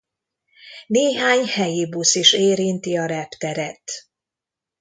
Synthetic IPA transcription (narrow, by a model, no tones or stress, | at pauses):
neːɦaːɲhɛjibusiʃeːɾint̪iɒɾɛpt̪ɛɾɛt̪